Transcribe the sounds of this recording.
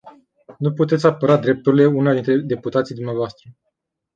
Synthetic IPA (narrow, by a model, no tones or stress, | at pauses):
nuput̪e̞t̪sʲapəɾad̪ɾe̞p̚t̪uɾileunad̪int̪ɾe̞d̪e̞put̪at̪sijd̪umneavoast̪ɾə